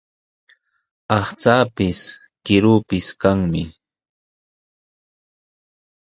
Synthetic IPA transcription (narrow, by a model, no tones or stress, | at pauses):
ɑχt͡saːpɪs | kɪɾuːpɪskaŋmɪ